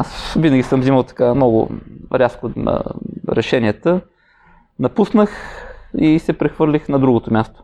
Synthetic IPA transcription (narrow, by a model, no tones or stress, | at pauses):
asvinəɡʲisɤmziməlˠt̪ɐ̥kamnɔɡʊ̰ɾʲasko̰ɾɛʃɛniət̪ə | nɐpusnəxisɛpɾɛxvɤɾlʲixnɐd̪ɾuɡot̪omʲjast̪o̥